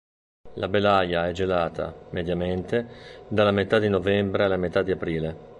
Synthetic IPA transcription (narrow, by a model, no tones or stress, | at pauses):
lʔabelajaɛd͡ʒelaːt̪a̰med̪jament̪ed̪alamet̪ad̪inovɛmbɾealːamet̪ad̪iapɾiːle